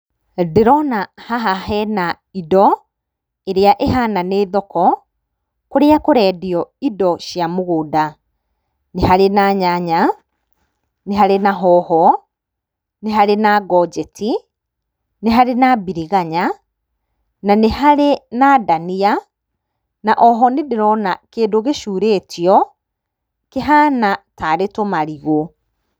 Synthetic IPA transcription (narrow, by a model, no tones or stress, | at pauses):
deɾɔnahaɦaɦɛna | idɔ | eɾeaʔeɦananeːðɔkɔ | koɾeakoɾɛːdiɔidɔʃjamoɣoːda | neɦaɾenaɲaɲa | neɦaɾenaɦɔhɔ | neɦaɾenaɡɔd͡ʒɛtʰi | neɦaɾenabiɾiɣaɲa | nanehaɾenadania | naʔɔɦɔnedeɾɔnakeːdoɣeʃuːɾeːtjɔ | keɦaːnataɾetomaɾiɣo